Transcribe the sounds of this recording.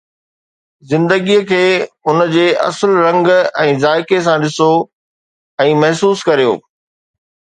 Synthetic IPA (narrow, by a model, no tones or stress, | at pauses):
zɪ̃nd̪əɡijəkʰeːʊnəd͡ʑeːʔɐ̰səlɾɐ̃ŋɡɛ̃ːzaːɪkes̬ãɗɪso | ɛ̃ːmɐɦsuːskɐɾijo̰ː